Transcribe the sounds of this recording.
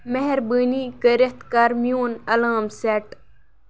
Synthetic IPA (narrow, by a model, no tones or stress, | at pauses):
mɐɦeɾbəːniːkəɾɐt̪kaːɾmijuːnɐlaːmseʈ